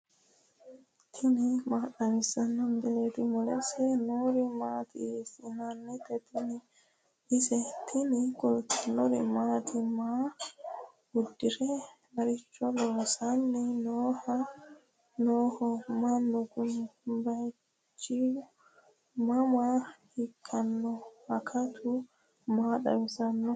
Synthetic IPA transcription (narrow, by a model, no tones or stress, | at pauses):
t̪ʰɪnɪmaːkɐmɪsɐnːɐmd̪ɛleːt̪ɪmɔlɛ̰sɛnoːɾɪmaːt̪ɪ̰esɪnanːɛt̪ːɛt̪ɪnɪ | ʔɪsɛt̪ʰɪnɪkʼʊltɛnɔɾɪmaːt̪ɪmaː | ʊd̪ːɪɾɛ | mɐɾɪt͡ʃːɔloːsɐnːɛnoːhɐ | noːhɔmɐnːɔɡʊnbɐj | t͡ʃːɪ | mɐmahɪkʰːɐnːɔɐkʰɐt̪ʰʊ | maːɗɐ̰wɪsɐnːɔ